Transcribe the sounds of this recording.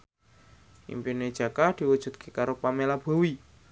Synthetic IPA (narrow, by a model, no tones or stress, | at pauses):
ʔḭmpune̥ʒ̥a̤kad̪̥i̤wud̥ʒ̥ṳt̪̚kʰekaɾopamelab̥o̤wi